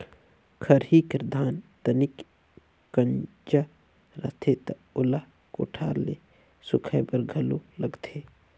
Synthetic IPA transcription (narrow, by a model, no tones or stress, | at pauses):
kʰɐɾɦiːkəɾd̪ʱaːnt̪ɐnɪk | kɐɲ | d͡ʒa | ɾɐ̰t̪ʰet̪ɐʊla | ko̰ʈʰaːɾle | sʊkʰəbəɾɡʱəloləɡt̪ʰeː